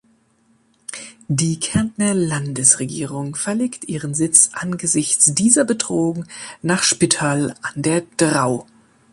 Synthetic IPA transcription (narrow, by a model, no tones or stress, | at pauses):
diːkʰɛɐntnɐlandəsʁeɡḭːʁʊŋfɛɐleːktʔiːʁənzɪt͡sʔanɡəzɪçt͡sd̥iːzɐbətʁ̥oːʊŋnaːχʃpitʰaːlʔandeːɐd̥ʁaʊ